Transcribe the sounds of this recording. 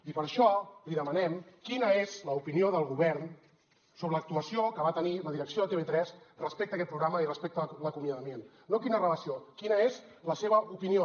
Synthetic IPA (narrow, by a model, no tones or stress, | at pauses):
ipəɾʃɔliðəmənɛmkinəezləupinioðəlˠɣuβɛɾn | soβɾələk̚t̪uəsiokəβat̪əniləðiɾəksioðət̪eβet̪ɾɛzrəspek̚t̪əkɛt̪̚pɾuɣɾaməirəspek̚t̪ələkumjəðəmen | nːokinərələsiokinəezləseβəupinio